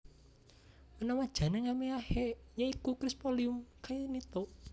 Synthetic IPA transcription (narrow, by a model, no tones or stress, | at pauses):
mənamad̥ʒ̥ä̤neŋameahejaikukɾispoliumkajnit̪oʔ